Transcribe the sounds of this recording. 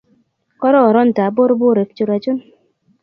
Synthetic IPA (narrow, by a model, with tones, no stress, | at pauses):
kɔ˦ɾɔ˦ɔ˨ɾɔ˦n̩˨ta˨bo˦ɾbʊ˦ɾe˨ft͡ʃu˨ɾa˨d͡ʒu˦n